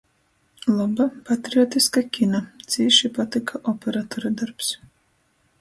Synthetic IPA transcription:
lˠabapat̪ɾiɔt̪iskakʲinat̪sʲiːʃipat̪ikʰaʔɔpʲeɾat̪oɾad̪aɾps

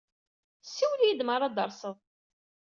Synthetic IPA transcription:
siwlijid̪məɾˤɑd̪əɾˤsəðˤ

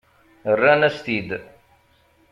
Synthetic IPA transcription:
ɾɐnɐst̪iːd̪

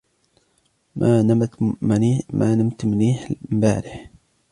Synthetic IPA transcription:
a | mmʔaːnamt̪mʊniːħmba̰ːɾɪħ

